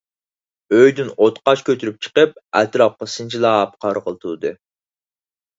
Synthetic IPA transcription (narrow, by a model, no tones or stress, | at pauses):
øjd̪ynot̪qɑt͡ʃkʲʰøt̪ʰyɾyp̚t͡ʃʰə̥qəp̚æt̪ɾɑp̚qɑsɨnt͡ʃʰilˠɑːp̚qʰɑɾʁəlˠt̪ʰud̪ɨ